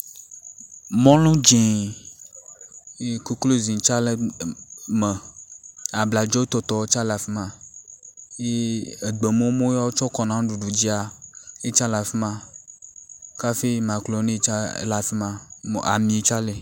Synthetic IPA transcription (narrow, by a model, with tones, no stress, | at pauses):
mɔ̃˦lũ˦d͡ʒe˨ | e˦ku˦klo˦zĩ˨t͡ʃa˦le˦ | me˨ | a˨bla˨d͡ʒɔ˦t̪ɔ˨t̪ɔ˨wt͡ʃa˦la˨fi˦mã˨ | je˦e˨ɡ͡be˨mõ˦mõ˦ja˦wo˦t͡ʃɔ˦kɔ˨nã˨˦ɖu˨ɖu˨d͡ʑi˦a˨e˦t͡ʃã˦la˨fi˦mã˦ | ka˦fe˦mã˨klo˨˦ne˦t͡ʃa˦la˨fi˦mã˦˨a̰˨mĩ˨˦t͡ʃa˦le˨